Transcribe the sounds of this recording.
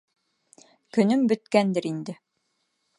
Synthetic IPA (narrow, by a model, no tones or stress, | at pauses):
kɵ̆nɵmbɵ̆t̪kænd̪ɘɾind̪ɘ